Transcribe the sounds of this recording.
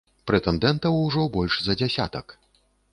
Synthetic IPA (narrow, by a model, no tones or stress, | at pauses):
pɾɛt̪ɛnd̪ɛnt̪ɐwuʐɔbɔlʲʂzɐd͡zʲasʲa̰t̪ɐk